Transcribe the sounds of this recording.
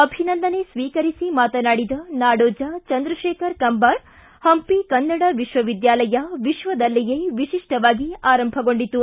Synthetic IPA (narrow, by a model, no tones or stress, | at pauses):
ɐbʱinɐnd̪ɐnesʋiːkɐɾisimaːt̪ɐnaːɽid̪ɐnaːɽoːd͡ʒɐt͡ʃɐnd̪ɾɐʃeːkʰɐɾkɐmbɐɾ | hɐmpikɐnːɐɽɐʋiʃʋɐʋid̪jaːlɐjɐʋiʃʋɐd̪ɐlːɛjeːʋiʃiʂʈɐʋaːɡiaːɾɐmbʱɐɡo̞ɳɖit̪ːu